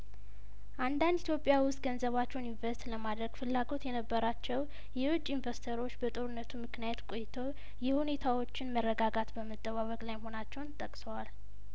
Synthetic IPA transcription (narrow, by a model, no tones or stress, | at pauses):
ʔand̪and̪it̪jo̞pʼːjawʊst̪̚ʼɡənzəβat͡ʃːɛwnjɪnvəst̪ləmad̪ɾəɡ̥fɨlːaɡo̞t̪jɛnəbːəɾat͡ʃːɛw | jɛwʊt͡ʃʼːinvəɾst̪ʰəɾo̞t͡ʃːbət̪ʼo̞ɾɨnːət̪ʰumɨknijat̪kʼo̞jɪt̪ʰow | jɛhune̞t̪ʰawo̞t͡ʃːɪnmərːəɡaɡat̪bəmət̪ʼːəβaβəkʼlajmho̞nat͡ʃːɛwnt̪ʼəkʼsəwal